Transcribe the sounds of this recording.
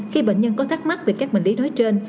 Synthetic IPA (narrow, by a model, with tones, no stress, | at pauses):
xi˧ɓḛ˧˨ɲɲə˧nkɔ˨˦t̪ʰaː˦˥k̚ma˦˥t̚ve˨˩kaː˦˥k̚ɓï˧˩ŋ̟li˨˦nɔ˨˦jt͡ɕe˧n